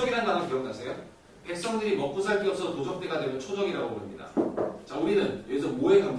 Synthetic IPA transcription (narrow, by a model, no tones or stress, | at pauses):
ʌɡiɾandanɯnkijʌŋnasʰejo | pe̞k̚s͈ʌŋdɯɾimʌk͈usʰaɭk͈iʌsʰʌtod͡ʑʰʌk̚t͈e̞ɡadwemot͡ɕʰod͡ʑʌɡiɾaɡoboɾɯmɲida̰t͡ɕauɾinɯnjes̬ʰʌnmoe̞kam